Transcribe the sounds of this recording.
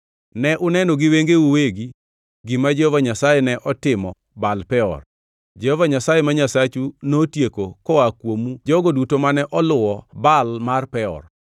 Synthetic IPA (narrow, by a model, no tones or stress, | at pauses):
nɛʔʊnɛnoɡɪweŋɡeuweɡi | ɡimad͡ʒeɔvaɲasajɛnɛʔɔtɪmɔ | balpɛɔ̰r | d͡ʒehɔvaɲasajɛmaɲasat͡ʃunotjekokɔakwomud͡ʒɔɡodutomanɛʔɔlʊɔbalmarpɛɔ̰r